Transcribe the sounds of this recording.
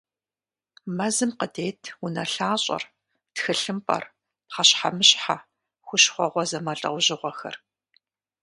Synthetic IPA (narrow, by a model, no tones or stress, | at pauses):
mɐzɨmqədeːtʰunɐɬaːɕʼɐ̰r | txɨɬɨmpʼɐ̰r | pχaɕħamɨɕħa | xʷʊʃχʷɔʁʷɔzɐmɐɬʼɐ̰wʷʑɪʁʷɔxɐ̰r